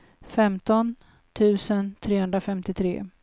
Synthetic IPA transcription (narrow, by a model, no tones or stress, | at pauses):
fɛmt̪ɔn | t̪ʰʉ̟ːsənt̪ʰɾeːhɵnd̪ɾafɛmt̪ɪt̪ʰɾḛː